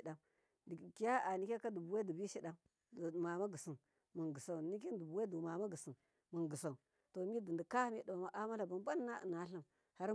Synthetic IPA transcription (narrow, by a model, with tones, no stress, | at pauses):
da˦m | di˨ki˦ja˦a˨ni˦kʲa˦ka˦du˨bu˨we˦du˨bi˦ʃi˦ɗa˦m˨ | ma˨ma˦ɡə˨si˨n | mu˨nɡə˨sa˨ni˦k̬i˦n˦du˨bu˨we˦du˨ma˨ma˦ɡə˨si˨n | mə˨nɡə˨sa˨u˨ | to˨mi˦də˨ndi˨ka˦hmi˦da˨ma˨ma˦ʔa˦ma˦la˨ba˨m˦ba˦nː˦a̰˦˨na˨˦ɬə˦m | ha˦ɾ